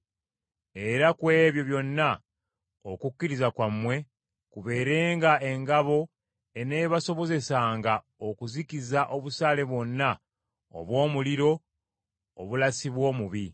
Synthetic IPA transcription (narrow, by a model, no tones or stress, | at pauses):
e̞ɾakwe̞ːβjo̞βjo̞nːa | okukʲːiɾizakwamːwe̞ | kuβe̞ːɾe̞ːŋɡae̞ŋɡaβo̞ | e̞ne̞ːβaso̞βo̞ze̞saːŋɡa | o̞kuzikizaʔo̞βusaːle̞βwo̞nːa | o̰βwo̞ːmuliɾo̞̰ː | βulasiβwo̞ːmuβi